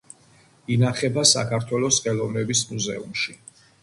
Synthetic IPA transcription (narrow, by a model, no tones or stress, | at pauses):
inaχɛbasa̰kʰaɾt̪ʰwɛlˠɔsχɛlˠɔvnɛbismuzɛ̰ṵmʃi